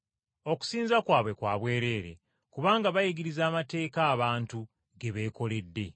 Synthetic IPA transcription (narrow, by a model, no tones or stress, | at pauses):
o̞ku̥siːnzakwaːβwe̞kwaːβwe̞ːɾe̞ːɾe̞̰ | kuβaːŋɡaβajiɡiɾizaːmate̞ːkaːβaːntu | ɡe̞βe̞ko̞le̞dːe̞̰